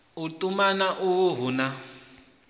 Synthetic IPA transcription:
utʼumanaʔuwuɦuna

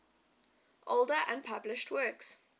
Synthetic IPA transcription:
ʔolˠdəʔə̃npʰablɪʃtʰwɜˑks

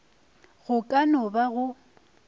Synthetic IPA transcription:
ɣʊkʼanʊbaɣʊ

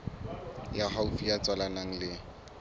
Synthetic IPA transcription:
jahaufijat͡sʼwalanaŋ̩lɪ

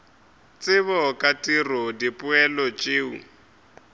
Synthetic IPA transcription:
t͡sʼɪβɔkʼatʼirɔdipʼʊɛlɔt͡ʃʼeːṵ

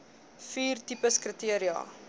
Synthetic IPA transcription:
fiːrtipəskrətiəɾiɑ̰ː

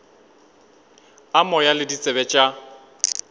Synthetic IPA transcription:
amɔjalɪdit͡sʼɛbɛt͡ʃʼa

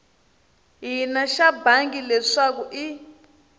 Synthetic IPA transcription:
ɦinaʃabaŋɡilɛʂak̬uʔi

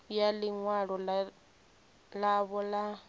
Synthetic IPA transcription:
jaliŋwaɺɔ | laβɔla

